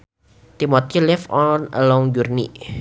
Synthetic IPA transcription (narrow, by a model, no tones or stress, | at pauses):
t̪imot̪ilɪfɔnə̰lɔŋd͡ʒurnḭ